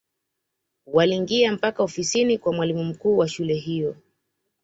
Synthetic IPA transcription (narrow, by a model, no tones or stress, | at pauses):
waliŋɡiam̩pakaɔfisinikwamwalimum̩kuːwaʃulɛɦijɔ